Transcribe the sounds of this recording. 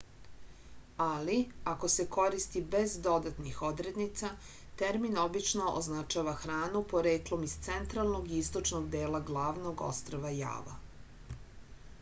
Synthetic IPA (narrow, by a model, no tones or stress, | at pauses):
aliako̞se̞ko̞ɾist̪ibe̞zd̪o̞d̪at̪nixo̞d̪ɾed̪nit̪sa | t̪eɾmino̞bit͡ʃno̞ʔo̰znat͡ʃaːʋaxɾaːnupo̞ɾeːklˠo̞mist̪sent̪ɾalˠno̞ɡiist̪o̞t͡ʃno̞ɡd̪eːlaɡlˠaːʋno̞ɡo̞̰st̪ɾoʋaja̰ːʋa̰